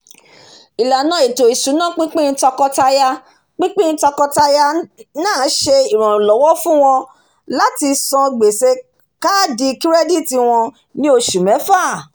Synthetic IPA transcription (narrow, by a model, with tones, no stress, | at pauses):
i˨la˨nã˨˦i˨to˨i˨sũ˨˦nã˦˨k͡pĩ˦k͡pĩ˦˧˦tɔ˧kɔ˧ta˧ja˧ | k͡pĩ˦k͡pĩ˦tɔ˧kɔ˧ta˧ja˧nãː˦˨˦ʃe˧i˨ɾ̃ɔ̃˨lɔ˨˦wɔ˦fũ˦w̃ɔ̃˧ | la˦ti˧sɔ̃˧ɡ͡be˨se˧ | ka˦di˧ki˦ɾɛ˦di˦˨ti˧w̃ɔ̃˧ | nĩ˦o˧ʃu˨mɛ̃˨˦fa˦˨